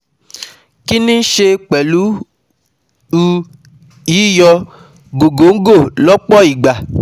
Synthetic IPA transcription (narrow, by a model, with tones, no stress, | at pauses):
ki˦nĩ˦ʃe˧k͡pɛ˨lu˦ | u˦ | ji˨˦jɔ˧ | ɡo˨ɡo˨˦ŋ̩˦ɡo˦˨lɔ˦k͡pɔ˦i˨ɡ͡ba˨